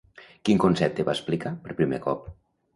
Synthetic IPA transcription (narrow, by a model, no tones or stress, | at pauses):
kiŋkonsɛp̚t̪eβasplikapəɾpɾimḛkɔp̚